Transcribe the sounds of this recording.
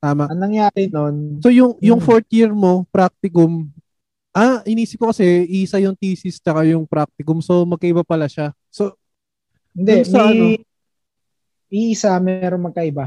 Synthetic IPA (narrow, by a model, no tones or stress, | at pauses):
t̪aːmaʔɐnɐŋjaːɾɪnonso̞jʊŋjʊŋfoɹt̪jiɹmo̞pɾak̚t̪ɪkʊm | ʔaɪniːsɪp̚kokɐsɛʔiʔsajʊŋt̪iːsɪst͡ʃɐkajʊŋpɾak̚t̪ɪkʊmso̞mɐɡ̚kɐʔɪbapɐlaʃa | so̞ | ɪnd̪ɛɐɐo | ʔiʔisamɛːɾoŋmɐɡ̚kɐʔɪba